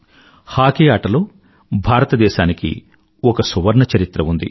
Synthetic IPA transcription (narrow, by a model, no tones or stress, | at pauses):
haːkeaːʈɐlo̞ː | bʱaːɾɐt̪ɐd̪ɛːʃaːnikḭ | ɔkɐsuʋɐɾɳɐt͡ʃɐɾit̪ɾɐund̪ḭ